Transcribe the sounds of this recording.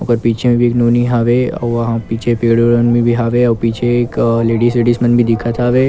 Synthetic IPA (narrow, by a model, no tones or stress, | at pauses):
ʊɡəɾpiːt͡ʃʰemẽbʱieːknuːniɦaːʋeɐ̰ɦãpiːt͡ʃʰepeːɽoɾənmĩbʱiɦaːʋeɔpiːt͡ʃʰekleːɖiseːɖiːsmənbʱid̪ɪkʰat̪ʰaʋeː